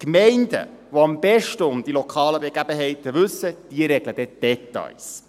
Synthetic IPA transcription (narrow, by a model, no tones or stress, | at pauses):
kmɛɪndə̰ʋoɑmb̥ɛʃtəʊmd̥̪ilɔkʰɑːləbeɡ̥æbəɦɛɪt̪əvɵsːəd̥iəɾɛɡləd̥̪ɛd̥ɛt̪ɑ̰ɪs